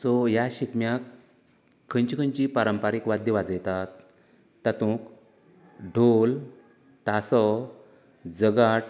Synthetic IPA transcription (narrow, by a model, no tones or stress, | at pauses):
sɔjaɕikmjakʰː | əɲt͡ɕikʰə̃ɲt͡ɕipaɾəmpaɾikʋad̪ʱjəʋad͡zəjt̪at̪ː | at̪ũk | ɖʱol | t̪asɔ | d͡zəɡaʈ